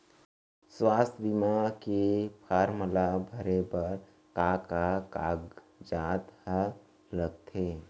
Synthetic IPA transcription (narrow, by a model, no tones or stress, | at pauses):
swaːst̪ʰbimakepʰaːɾməlabʱəɾebəɾ | kakaka̰ːɡ | d͡ʒaːt̪ə | ɾəɡ̚t̪ʰe